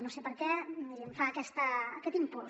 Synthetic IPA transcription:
nõsepəɾkɛiɾəɱfaːkɛst̪əəkɛt̪impul

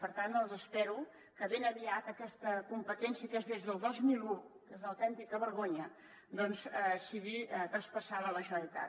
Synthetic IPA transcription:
pəɾt̪annəlˠzəspɛɾu | kəβenəβiat̪əkɛst̪əkumpət̪ɛnsjəkezðezðəlˠd̪ozmilukezləwt̪ɛnt̪ikəβəɾɣoɲə | d̪ɔnsəsiɣiət̪əspəsaβələʒəəlit̪a̰

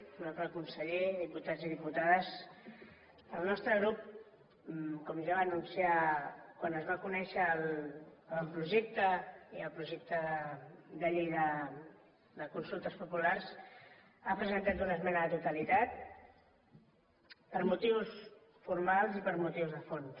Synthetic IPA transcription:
lnɔst̪ɾəkunsəʎeðiput̪ad͡ziðiput̪aðəs | əlˠnɔst̪ɾəɣ̞ɾup | kɔmʒaβanunsiakwanəzβakunɛʃəlː | lˠpɾuʒɛk̚t̪əiəlˠpɾuʒɛk̚t̪ə | d̪aʎeðə | d̪əkunsulˠt̪əspupulaɾs | apɾəzənt̪at̪unəzmɛnəðət̪ut̪əlit̪at̪̚ | pəɾmut̪iws | fuɾmalˠzipəɾmut̪iwzðəfon

